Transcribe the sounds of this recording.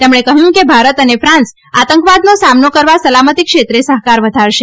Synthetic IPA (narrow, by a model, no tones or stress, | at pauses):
t̪emɳ̃ekəɦjũkebʱaɾət̪ənefɾãns | at̪əŋkʋad̪nosamnokəɾʋasəlamət̪ikʃet̪ɾesəɦkaɾʋəd̪ʱaɾʃe